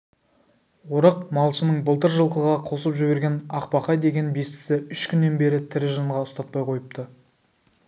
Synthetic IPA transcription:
woɾɑq̚mɑlˠʃənəɴbəlˠt̪əɾʒəlˠqəʁɑqʰo̞səpʒʏbe̞ɾɡʲe̞nɑqpɑqɑjd̪e̞ɡʲe̞nbe̞st̪ɪ̥sɪʏʃkʲʰʏnːe̞nbe̞ɾɪt̪ʰɪɾɪʒəɴʁɑʊst̪ɑt̪̚pɑjqʰo̞jəp̚t̪ə

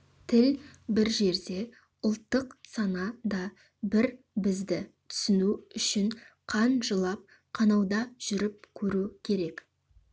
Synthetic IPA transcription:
t̪ʰɪlbɪɾʒe̞ɾd̪e̞ | ʊlˠt̪ːəqsɑnɑd̪ɑ | bɪɾ | bɪzd̪ɪt̪ʰʏ̥sɪnuʏʃɪɴqʰɑnʒəlˠɑp̚ | qʰɑnɑwd̪ɑʒ̥ʏɾɪp̚kʲʰɵɾukʲʰe̞ɾe̞k

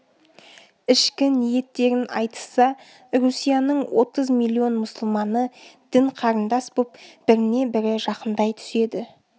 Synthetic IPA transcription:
ɪʃkʲɪnije̞t̪ːe̞ɾɪnɑ̰jt̪ə̥sɑ | ɾusijanəɴwo̞t̪əzmilʲːio̞nmʊsʊlˠmɑnəd̪̥ɪɴqʰɑɾənd̪ɑspupb̥ɪɾɪne̞bɪɾɪʒɑqənd̪ɑjt̪ʰʏ̥se̞d̪ɪ

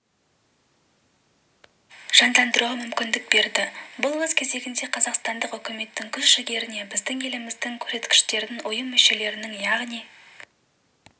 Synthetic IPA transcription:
ʒ̥ɑnd̪ɑnd̪əɾuʁɑmʏmkʲɪnd̪ɪk̚be̞ɾd̪ɪbʊlˠwɵzkʲʰe̞ze̞ɡʲɪnd̪e̞qʰɑzɑqst̪ɑnd̪əqʏkʲɪme̞t̪ːɪŋkʲʰʏzʃɪɡʲe̞ɾɪne̞bɪzd̪ɪŋe̞lɪmɪzd̪ɪŋkʲʰɵ̥ɾse̞t̪kʲɪ̥ʃt̪e̞ɾd̪ɪnʊjəmːʏʃe̞le̞ɾɪnɪŋjɑʁnij

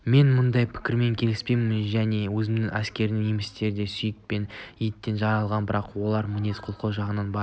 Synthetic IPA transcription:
me̞nmʊnd̪ɑjpʰɪ̥kʲɪɾme̞ŋkʲʰe̞lɪspe̞jmɪmɪnʒæne̞wɵzɪmd̪ɪŋæskʲe̞ɾɪd̪ɪŋjemɪst̪e̞ɾɪd̪e̞sʏjɪk̚pe̞nijt̪ːe̞nʒɑɾɑlˠʁɑnbɪɾɑqwo̞lˠɑɾmɪne̞sqʰolˠqʰowʒɑʁənɑnbɑɾ

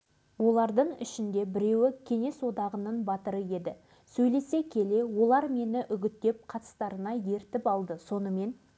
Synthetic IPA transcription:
wo̞lˠɑɾd̪əɴɪ̰ʃɪnd̪e̞bɪɾe̞wɪkʲʰe̞ŋe̞swo̞d̪ɑʁənəɴbɑt̪əɾəje̞d̪ɪ | sɵjle̞se̞kʲʰe̞le̞wo̞lˠɑɾme̞nɪʔʏɡʲɪt̪ːe̞p̚qʰɑt̪ə̥st̪ɑɾənɑje̞ɾt̪ɪpɑlˠd̪əso̞nəme̞n

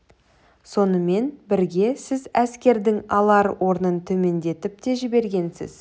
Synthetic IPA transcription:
so̞nəme̞nbɪɾɡʲe̞sɪzæskʲe̞ɾd̪ɪŋɑlˠɑɾə̰wʔo̞ɾnənt̪ʰɵme̞nd̪e̞t̪ɪp̚t̪e̞ʒɪbe̞ɾɡʲe̞nsɪ̰z̥

